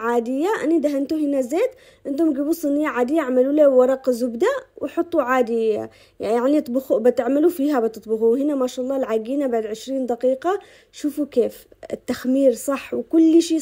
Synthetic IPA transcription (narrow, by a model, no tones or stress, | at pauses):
ʕaːd̪ɪjːaʔa̰nid̪aɦant̪uɦɪnazeːt̪ | ʔɪnt̪hʊmɡibusˤɨnɪjːaʕaːd̪ɪjːaʕmaluːlawwɑɾˤɑːqzʊbd̪awɪħɑt̪ˤːuʕaːd̪ɪjːa | jaʕnit̪ˤbʊxubɪt̪ɪʕmalufiːɦabɪt̪ɨt̪ˤbʊxuɦɪnamaːʃaʔlˤːɑːlʕaɡiːnabaʕd̪ʕɪʃɾiːnd̪aqiːqɑ | ʃuːfukeːf | ɪt̪ːaxmiːɾsˤɑħːwɪkʊlːʃiː